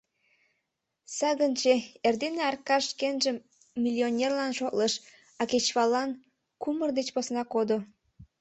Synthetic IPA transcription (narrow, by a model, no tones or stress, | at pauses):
sɑɣənt͡ɕeerd̪eneɑrkɑʃkenʒəmː | ilʲionʲerlɑnʃok̪ləʃ | ɑket͡ɕβɑlɑn | kumərd̪et͡ɕposnɑkod̪o